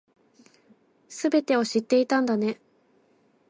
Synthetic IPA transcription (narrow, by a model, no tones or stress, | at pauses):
sɨbe̞t̪e̞o̞ɕit̪ːe̞it̪ãnd̪ane̞